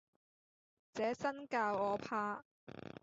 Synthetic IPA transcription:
t͡sɛː˨˥sɐ˥nkaː˧wɔː˨˧pʰaː˧

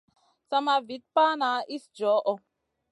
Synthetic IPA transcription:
t͡sa˦ma˨vi˨˦t̚pa˦na˨˦ʔi˦sd͡ʒɔ˨˦ʔɔ˧

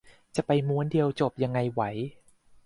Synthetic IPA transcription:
t͡ɕa˨˩pa˧jmu˦˥əndi˧əwt͡ɕo˨˩p̚ja˧ŋːa˧jwa˩˦j

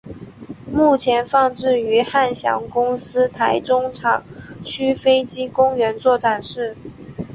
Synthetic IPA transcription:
mu˥˩t͡ɕʰjɛ˧˥nfɑ˥˧ŋʈ͡ʂɻ̩˥˩y˧˥xa˥˩nɕjɑ̰˧˥ŋkʊ˥ŋsɹ̩˥t̪ʰa˧˥ɪʈ͡ʂʊ˥ŋʈ͡ʂʰɑ˨˩ŋt͡ɕʰy˥fe˥ɪt͡ɕi˥kʊ˥ŋɥɛ˧˥nt͡swɔ˥˩ʈ͡ʂa˨˩nʂɻ̩˥˩

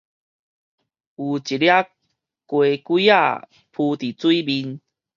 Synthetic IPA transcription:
u˨˩t͡ɕi˨lja˦ | kwe˨˧kwi˦a̰˥˧˨ | pʰu˧t̪i˨t͡swi˦bi˧n

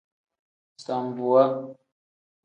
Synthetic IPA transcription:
st̪ambu˨wa˦

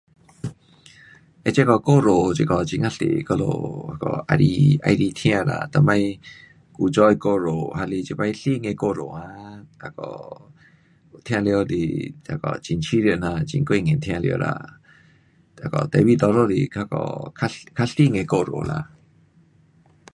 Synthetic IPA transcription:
ʔe˧t͡ɕe˧˦kɔ˧˨ko˧˨ɾo˨t͡ɕi˧kɔ˨t͡ɕi˧˨ŋa˧˨ɬḛ˨kɔ˧lo̰˧ha˧kɔ̰˧˩ʔa˧ɾi˧ʔa̰˧jɾi˧t̪ʰj̃ã˧˨la̰˧˨t̪a˧˨˩ma˧j | ku˧˨t͡ʃɔ˧jko˧ɾo˨ha˧li˧t͡ɕi˧pa˧jɬi˧˨ŋe˧ko˧˨ɾo˨a˧a˧kɔ̰˧˨ | t̪ʰã˧le˧o˧d̪ḭ˨t̪a˧˩kɔ̰˧˨t͡ɕi˨nt͡ʃʰi˧˦li˧˨na˧t͡ɕḭ˧ŋke˧˨ŋe˨t̪ʰjã˧lj̰o̰˧la̰˧ | t̪a˧˩kɔ˧˨t̪ɛ˨wi˧˨d̪ɔ˧lo˧lḭ˨kʰa˧kɔ̰˧˨kʰa˧kʰa˧ɬi˧˨ŋe˧˨ko˧˨ɾo̰˨la̰˧˨

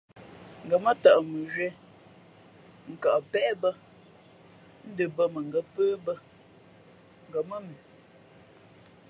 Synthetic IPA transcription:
ŋ̩˨ɡə˨mə˦ta˨ʔmə˨ʒɥɛ˦ | ŋ̩˨ka˨ʔpɛ˦bə˦ | n̩˦də˨bə˦mə˨ŋɡə˦pəː˦bə˦ | ŋ̩˨ɡə˨mə˦mi˨

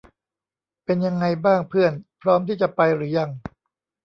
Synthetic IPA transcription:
pe˧nja˧ŋːa˧jbaː˥˩ŋpʰɯ˥˩ənpʰɾɔː˦˥mt̪ʰiː˥˩t͡ɕa˨˩pa˧jɾɯː˩˦ja˧ŋ

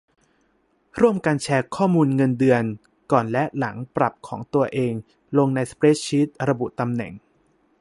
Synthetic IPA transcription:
ɾu˥˩əmka˧nt͡ɕʰɛː˧kʰɔː˥˩muː˧nŋɤ˧ndɯ˧ən | kɔː˨˩nlɛ˦˥ʔla˩˦ŋpɾa˨˩p̚kʰɔː˩˦ŋt̪u˧ɐʔeː˧ŋ | lo˧ŋna˧jspɾeː˦˥t͡ɕʰi˦˥t̪̚ɾa˧bu˨˩t̪a˧mnɛ̰˨˩ŋ

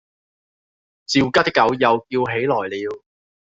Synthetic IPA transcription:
t͡siː˨˧wkaː˥t̪ɪ˥kːɐ˨˥wjɐ˨˧wkiː˧wɦe˨˥jlɔː˨˩jliː˨˧w

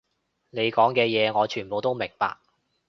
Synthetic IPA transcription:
ne˨˧jkɔː˨˥ŋkɛː˧jɛː˨˧ŋɔː˨˧t͡ʃʰyː˨˩po˨wt̪o˥wmɪ˨˩ŋpa̰ː˧k̚

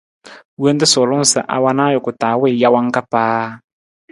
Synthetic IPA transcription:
we˦n˦tɪ˦sʊ˨lʊ˦˨sɪ̰˨ʔa̰˨wa˦naː˦jʊ˨kʊ˨taː˨˦wɪ˦˨ja˦wa˦ŋ˦ka˦paː˦

